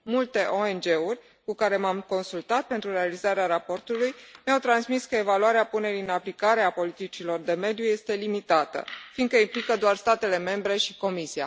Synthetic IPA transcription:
mult̪e̞ʔo̞e̞nd͡ʒe̞urʲ | kukaɾe̞mamko̞nsult̪at̪̚pe̞nt̪ɾuɾe̞alizaɾeaɾapo̞rt̪ulujmeawt̪ɾansmiskəe̞valuaɾeapune̞ɾiɨnaplikaɾe̞apo̞lit̪it͡ʃilo̞rd̪e̞me̞d̪juje̞st̪e̞limit̪at̪ə̰find̪kəimplikəd̪oarst̪at̪e̞le̞me̞mbɾe̞ʃiko̞misia̰

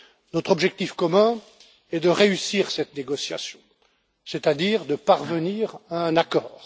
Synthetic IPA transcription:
nɔt̪χɔbʒɛk̚t̪ifkɔmɛ̃ | ɛd̪əʁeysiːʁsɛt̪neɡɔsja̰sjɔ̃ | set̪ad̪iːʁd̪əpaʁvəniːʁaɛ̃nakɔːʁ

